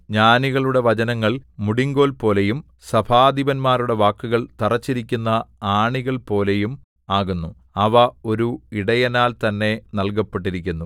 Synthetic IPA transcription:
ɲaːniɣɐɭuɽe̞ʋɐd͡ʑɐnɐŋːɐɭmuɽiŋɡo̞ːlpo̞ːle̞jum | sɐbʱaːd̪iʋɐnmaːɾuɽe̞ʋaːkːuɣɐɭt̪ɐrɐt͡ɕːiɾikʲːunːɐaːɳiɣɐɭpo̞ːle̞jum | aːɣunːu | ɐʋɐo̞ɾuiɽɐjɐnaːlt̪ɐnːe̞nɐlk̬ɐpːeʈːiɾikʲːunːu

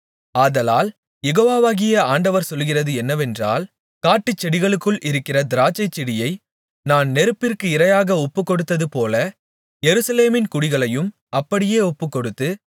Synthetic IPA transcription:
aːðɐlaːl | jɛɣoːʋaːʋaːɣɪjɐaːɳɖɐʋɐɾsɔlːɣɪrɐðɯɛnːɐʋɛndra̰ːl | kaːʈːɯt͡ʃːɛɽɪɣɐɭɯkːɯɭʔɪɾɯkːɪrɐd̪ɪɾaːt͡ʃɐɪt͡ʃːɪɽɪjɐɪ | naːnnɛɾɯpːɪrkɯɪɾɐjaːɣɐɔpːɯkːɔɽɯt̪ːɐðɯpoːlɐ | jɛɾɯsɐleːmɪnkʊɽɪɣɐɭɐjɯm | ʔɐpːɐɽɪjeːɔpːɯkːɔɽɯt̪ːɯ

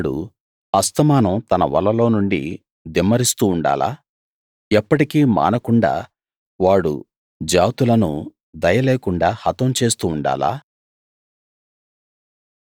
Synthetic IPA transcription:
ɽṵ | ɐst̪ɐmaːnɐmt̪ɐnɐʋɐ̰lːɐlo̞ːnuɳɖḭ | d̪imɐɾist̪uːɳɖa̰ːla̰ː | ɛpːɐʈikiːma̰ːnɐkuɳɖa̰ː | ʋaːɽṵ | d͡ʒaːt̪ulɐnu | d̪ɐjɐleːkuɳɖaːhɐt̪ɐmt͡ʃe̞ːst̪uːɳɖa̰ːla̰ː

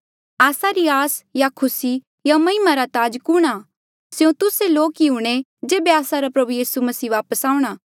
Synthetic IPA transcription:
aːsaɾiaːsjakʰʊsi | jamɐɪmaɾat̪aːd͡ʒkʊɽ̃a | sjõt̪ʊseloːkiuɽ̃e | d͡ʒeːbeaːsaɾapɾɐbujiːsumɐsiːʋaːpəsaːũɽ̃aː

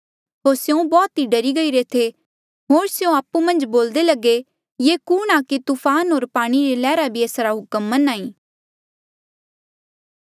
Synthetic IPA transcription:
ɦoːɾsjũbɔːt̪iɖɐɾiɡɐiɾet̪ʰe | ɦoːɾsjõaːpumɐ̃nd͡ʒboːld̪elɐɡe | jekuːɽ̃akit̪upʰaːnɦoːɾpaːɽ̃iɾelɛːɾabʱieːsɾaɦʊkəmːɐnãːĩː

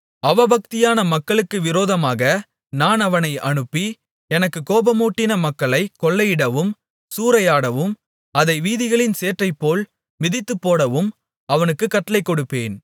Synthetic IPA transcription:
ɐʋɐbɐk̚t̪ɪjaːnɐmɐkːɐɭɯkːɯʋɪɾoːðɐmaːɣɐ | naːnɐʋɐnɐɪʔɐɳɯpːi | ɛnɐkːɯkoːbɐmuːʈːɪnɐmɐkːɐɭɐɪkɔɭːɐjɪɽɐʋɯm | suːɾɐjaːɽɐʋɯm | ɐðɐɪʋiːðɪɣɐɭɪnseːʈrɐɪpːoːl | mɪðɪt̪ːɯpːoːɽɐʋɯm | ɐʋɐnɯkːɯkːɐʈːɐlɐɪkːɔɽɯpːeːn

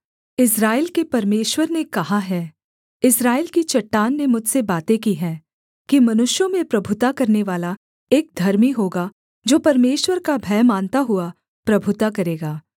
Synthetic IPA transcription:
ɪsɾaːɪlkepɐɾmeːʃwəɾnekɐɦaɦɛː | ɪsɾaːɪlkit͡ʃɐʈːaːnːemʊd͡ʒʱsebaːt̪ekiɦɛ̃ː | kimɐnʊʃjõmẽpɾɐbʱʊt̪akɐɾneʋaːla | eːk̚d̪ʱɐɾmiɦoːɡa | d͡ʒoːpɐɾmeːʃwəɾkabʱɛːmãːnt̪aɦʊa | pɾɐbʱʊt̪akɐɾeːɡaː

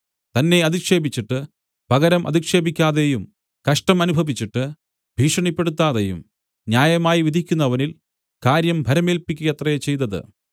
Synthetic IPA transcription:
t̪ɐnːe̞ɐðikʂe̞ːbit͡ɕːiʈːɨ | pɐɣɐɾɐmʔɐ̰ðikʂe̞ːbikʲːaːðejum | kɐʂʈɐmɐnubʱɐʋit͡ɕːiʈːɨ | bʱiːʂɐɳipːe̞ɽut̪ːaːðejṵm | njaːjɐmaːjiʋid̪ʱikʲːunːɐʋɐnil | kaːɾjɐmbʱɐɾɐmeːlpikʲːujɐt̪rɐjet͡ɕe̞jt̪ɐðɨ̰

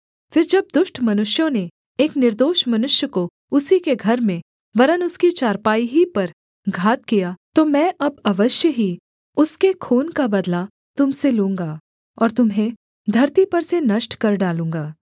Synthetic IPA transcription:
fɪɾd͡ʒɐb̚d̪ʊʃʈʰmɐnʊʃjõne | eːknɪɾd̪oːʃmɐnʊʃjəko | ʊsikeɡʱɐɾmẽ | ʋɐɾənʊskit͡ʃaːɾpaːiɦipɐɾ | ɡʱaːt̪̚kijat̪omɛ̃ːʔɐbɐʋəʃjəɦi | ʊskekʰoːnkabɐd̪la | t̪ʊmselũːŋɡaː | ɔːɾt̪ʊmɦẽ | d̪ʱɐɾt̪ipɐɾsenɐʃʈkɐɾɖaːlũːŋɡaː

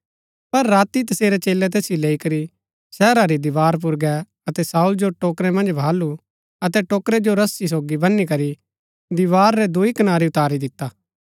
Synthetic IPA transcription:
pɐɾːaːt̪it̪ɐseːɾɛt͡ʃeːlɛt̪eːsjileːikɐɾi | sɛːɾaɾid̪ɪʋaːɾp̬ʊɾɡɛ | ɐt̪ɛsaːuld͡ʒoʈoːkɾɛmɐ̃nd͡ʒbʱaːlu | ɐt̪ɛʈoːkɾɛd͡ʒoɾɐsːis̬oːɡibɐnːikɐɾi | d̪ɪʋaːɾːɛd̪uikɐnaːɾiʊt̪aːɾid̪ɪt̪ːaː

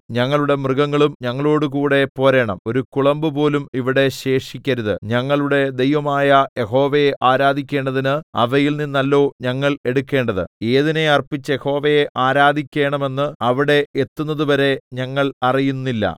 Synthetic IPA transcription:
ɲɐŋːɐɭuɽe̞mrɨɡɐŋːɐɭumɲɐŋːɐɭo̞ːɽuk̬uːɽe̞po̞ːɾeːɳɐ̰mo̞ɾukuɭɐmbɨpo̞ːlumiʋiɽe̞ɕe̞ːʂikʲːɐɾuðɨɲɐŋːɐɭuɽe̞d̪e̞jʋɐmaːjɐje̞ɦo̞ːʋejeʔaːɾaːd̪ʱikʲːe̞ːɳɖɐðinɨɐ̰ʋɐjilninːɐlːo̞ːɲɐŋːɐɭe̞ɽukʲːe̞ːɳɖɐðɨ̰e̞ːðine̞ɐrpit͡ɕːɐjeho̞ːʋejeʔaːɾaːd̪ʱikʲːe̞ːɳɐme̞nːɨɐʋiɽe̞et̪ːunːɐðuʋɐɾe̞ɲɐŋːɐɭɐrijunːilːɐ̰

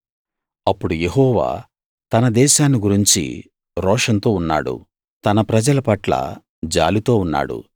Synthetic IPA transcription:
ɐpːuɽuje̞ɦɔːʋa̰ː | t̪ɐnɐd̪ɛːʃaːniɡuɾiɲt͡ʃḭ | ɾɔːʂɐnt̪o̞ːunːa̰ːɽṵ | t̪ɐnɐpɾɐd͡ʒɐlɐpɐʈlɐ̰ | d͡ʒa̰ːlit̪o̞ːunːa̰ːɽṵ

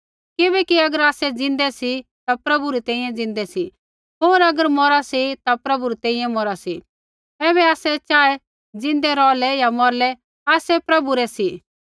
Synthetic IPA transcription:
kɪbɛːkiɐɡəɾaːsɛd͡zɪ̃nd̪ɛsit̪apɾɐbuɾit̪ɛ̃ːĩjɛ̃d͡zɪ̃n̆d̪ɛsi | ɦoːɾɐɡəɾmɔɾasit̪apɾɐbuɾit̪ɛ̃ːĩjɛ̃mɔɾasi | ɛːβɛaːsɛt͡ʃaːɛ | d͡zɪ̃nd̪ɛɾɔːlɛjamɔɾlɛ | aːsɛpɾɐbuɾɛsi

